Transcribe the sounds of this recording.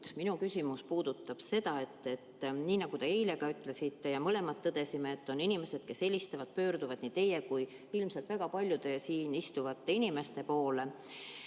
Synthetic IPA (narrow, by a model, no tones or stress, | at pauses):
minukysʲimuspuːd̪̥ut̪ːˑɑb̥se̞d̪̥ɑe̞t̪ːe̞t̪ːniːnɑɡ̥ut̪e̞ejle̞ɡ̥ɑyt̪ːˑle̞sit̪ːe̞jɑmɤle̞mɑt̪ːɤd̪̥e̞simeːt̪ːo̞ninime̞se̞d̪̥̚ke̞se̞lʲist̪evɑd̪̚pø̞ːɾd̪uvɑd̪̥niːt̪e̞jekuj | ilmsɑlt̪væɡ̥ɑpɑlʲjud̪e̞siːnist̪uvɑt̪ːe̞inime̞st̪e̞po̞ːle̞